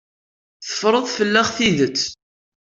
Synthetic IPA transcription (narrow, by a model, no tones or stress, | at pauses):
θə̥fɾˤəðˤfəlːæʁθiðət͡sː